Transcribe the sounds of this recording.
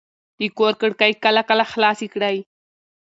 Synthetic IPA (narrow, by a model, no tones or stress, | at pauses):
ikoɾkəɽkajkalakalaχlaːsikɽaj